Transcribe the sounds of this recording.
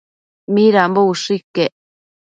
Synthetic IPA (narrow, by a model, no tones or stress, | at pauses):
miɾambouʂikːeʔ